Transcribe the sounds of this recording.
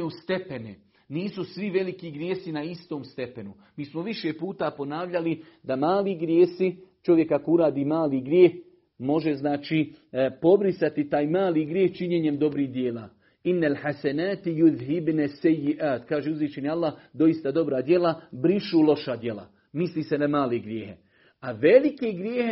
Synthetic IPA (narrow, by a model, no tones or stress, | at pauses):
just̪e̞pene | niːsusʋiʋe̞likiɡɾjeːsinaist̪oːmst̪e̞pe̞nu | miːsmoʋiʃe̞puːt̪apo̞naːʋʎalid̪amaːliɡɾjeːsit͡ʃo̞ʋje̞kakouɾaːd̪iːmaːliɡɾjeːh | mo̞ʒe̞znaːt͡ʃiːpo̞bɾisat̪it̪aːjmaːliːɡɾjeːht͡ʃiɲeɲe̞md̪o̞bɾiːɦd̪jeːla̰ː | inːalħasanaːt̪juðɦibnasːajːiʔaːt̪kaːʒeuzʋiːt͡ʃenialːaːhd̪o̞ist̪ad̪o̞bɾad̪je̞labɾiʃuːlo̞ʃad̪je̞la̰ | misliːsenamaːleɡɾjeːhe̞ | aʋe̞likeɡɾjeːhe